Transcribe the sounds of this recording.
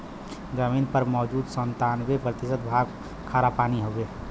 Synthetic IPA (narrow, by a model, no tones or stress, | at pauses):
d͡ʒəmiːnpəɾmɔːd͡ʒuːd̪sənt̪aːnbepɾət̪ɪsət̪̚bʱaːɡ | kʰːaːɾapaːniɦobe